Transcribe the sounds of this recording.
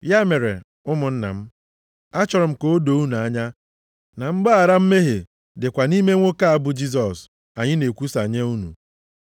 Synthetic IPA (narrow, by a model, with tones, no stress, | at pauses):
ja˦me˨ɾḛ˨ | ʊ˦mʊ˨n̩˦na̰˨m̩˦ | a˦t͡ʃɔ˨ɾʊ˨m̩˨ko˦o˦do˨˦u˦nu˨a˨˦ɲa˦ | na˨m̩˦ɡ͡ba˦a˨ɾa˦m̩˦me˦ɦe˨ | dɪ˨kʷa˨ni˦me˦ŋʷo˦ka˦a˨bʊ˨d͡ʒi˦s̬ɔ˨s | a˨ɲɪ˦ne˨kʷu˦sa˨ɲe˦u˦nṵ˨